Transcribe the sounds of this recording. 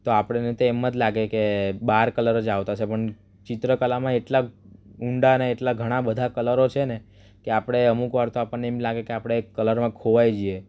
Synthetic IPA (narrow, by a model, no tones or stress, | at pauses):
t̪oapəɽ̃enet̪oemːəd͡ʒ̪laɡekebaɾkələɾəd͡ʒaʋt̪at͡ʃʰepəɳ | t͡ʃɪt̪ɾəkəlamãeʈlauɳɖaneːʈlaɡʱəɽ̃abəd̪ʱakələɾot͡ʃʰene | keapəɽ̃eəmukʋaɾt̪oapəɳneemlaɡekeapɽ̃ekːələɾmãkʰoʋajd͡ʒie